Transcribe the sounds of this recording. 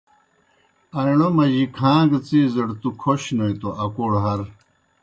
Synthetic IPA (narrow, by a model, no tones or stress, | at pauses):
ɐiɳomɐʑikʰãːɡt͡siːzɐɽt̪ukʰoɕnojt̪oʔɐkoɽɦɐɾ